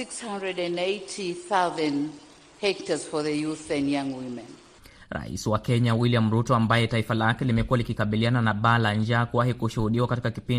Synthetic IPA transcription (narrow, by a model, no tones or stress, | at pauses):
sikshãndɹɛdɛ̃neɪtʰiθaʊzə̃n | hɛk̚təz̥fɔðəjuθɛ̃njãŋwimɛ̃n | ɾa̰ḭsiwakɛɲawiliam̩ɾutɔambajɛtaifalakɛlimɛkuwalikikaɓiliananaɓaːland͡ʒakuwahikuʃuhuɗiwakatikakipin